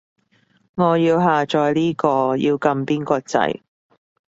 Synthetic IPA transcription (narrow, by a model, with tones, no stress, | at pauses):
ŋɔː˨˧jiː˧wɦaː˨t͡ʃɔː˨˧jliː˥kɔː˧jḭː˧wkɐ˧mpiː˥nkɔː˧t͡sɐ̰˧j